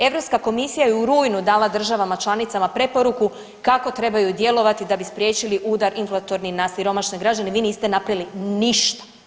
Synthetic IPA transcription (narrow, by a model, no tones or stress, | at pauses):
e̞ʋɾo̞pskako̞misijajeuɾuːjnud̪aːlˠad̪r̩ʒaʋamat͡ʃlˠanit̪samapɾe̞po̞ɾuku | kako̞t̪ɾe̞bajud̪je̞lˠo̞ʋat̪id̪abispɾje̞ːt͡ʃiliʔuːd̪aɾinflˠat̪o̞ɾninasiɾo̞maʃneɡɾad͡ʑaneʋiːniːst̪e̞napɾajliniʃt̪ḁ